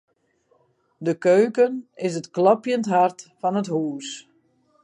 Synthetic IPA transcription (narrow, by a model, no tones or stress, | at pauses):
dəkøːkənɪs̬ətklɔpjəntɦartfɔnəthuːs